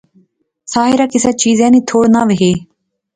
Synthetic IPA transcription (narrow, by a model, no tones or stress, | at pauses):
saːɦeːɾaːkɪsɛ̃ːt͡ʃiːzɛ̃ːnĩːt̪ʰoːɽnaːʋɪɦeː